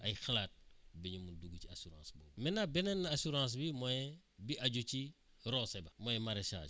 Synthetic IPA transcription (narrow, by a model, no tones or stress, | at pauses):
ɐjxɐlaːt̚bɛɲumunduɡuciasuɾã̰ːsbɔːbmɛnabɛnɛnːɐasuɾãːs̬bimɔjɛ | biʔɐɟuci | ɾɔsɛbɐmɔjɛmaɾeʃa̰ːd͡ʒ